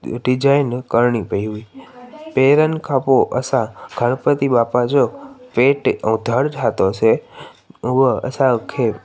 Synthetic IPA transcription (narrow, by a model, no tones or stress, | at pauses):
ɖid͡ʒajnkəɾɳipəjuipeɾənkʰapoʔə̰sãɡ̥ʱəɽpət̪ibapad͡ʒopeʈəũd̪ʱəɽʈʰat̪ot͡ʃʰe | uʋəə̰sakʰe